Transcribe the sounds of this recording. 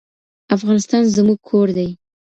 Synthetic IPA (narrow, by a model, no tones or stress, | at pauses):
afɣɑnɪst̪ɑnzəmuɡ̚kʰoɾd̪aj